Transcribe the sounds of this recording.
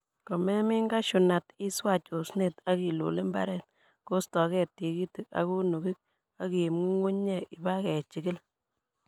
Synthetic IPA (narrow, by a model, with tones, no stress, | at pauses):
kɔ˨mɛ˦mi˦ŋɡa˦ʃu˨na˨ti˦swa˦˨t͡ʃo˨sne˨ta˦ki˨lo̰˨le˦mba̰˦ɾɛ˦˨t | ko˦stɔ˨kɛ˦˨ti˨ki˦ti˨k̚a̰˨ku˦nu˨ki˦k̚ | a˦ki˨mŋu˦ŋu˦ɲɲɛ˦˨ɪ˨ba˦kɛ˨t͡ʃi˨kɪ˦l